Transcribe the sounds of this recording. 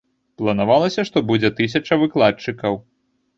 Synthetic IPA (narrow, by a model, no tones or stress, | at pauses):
plˠɐnavalˠɐsʲɐʂt̪ɔbud͡zʲɛt̪ɨs̬ʲɐt͡ʂɐvɨklˠat͡ʂɨkɐw